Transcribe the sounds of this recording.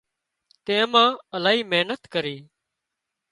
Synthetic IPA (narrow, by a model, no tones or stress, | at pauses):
t̪ẽːmãːəlaːɦiːmeɦnət̪kəɾiː